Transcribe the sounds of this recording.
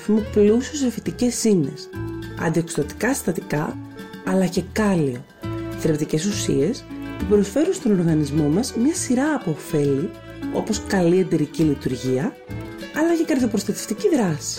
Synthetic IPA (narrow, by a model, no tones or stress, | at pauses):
fimoplusiosefit̪ice̞sine̞̰sɐ̰nd̪iekst̪ot̪i̥kɐst̪ɐt̪ikɐɐlɐce̞kɐlio̞ | θɾept̪ice̞susḭe̞st̪ipɾo̞sfe̞ɾunst̪o̞no̞ɾɣɐnizmo̞mɐzmɲɐsiɾɐːpo̞ːfe̞li | o̞po̞skɐlie̞nd̪e̞ɾicilit̪uɾʝiɐ | ɐlɐce̞kɐɾðiopɾost̪ɐt̪e̞ft̪iciðɾɐsi̥